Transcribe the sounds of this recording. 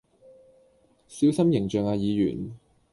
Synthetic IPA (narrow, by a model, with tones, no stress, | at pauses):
si˨˥wsɐ˥mjɪ˨˩ŋt͡ʃœː˨ŋaː˧jiː˨˧jy̰ː˨˩n